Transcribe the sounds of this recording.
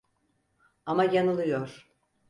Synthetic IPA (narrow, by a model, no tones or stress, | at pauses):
amajanɯlˠɯjoɾ̥